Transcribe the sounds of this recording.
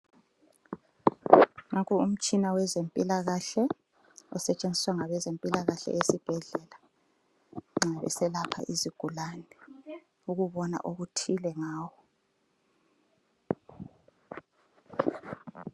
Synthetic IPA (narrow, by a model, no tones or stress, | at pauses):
ŋakʰuum̩t͡ʃʼinawɛzempʼilaɣaɬɛ | ɔ̰sɛt͡ʃʼend͡zʱiswaŋaβɛzempʼilaɣaɬɛ̰esib̥ʱɛɮɛla | ŋ͡ǁaβɛ̰sɛlapʰa̰ʔiziɡ̥ʱulanɛ | uɣuβɔna̰ʔoɣutʰilɛŋaːwɔ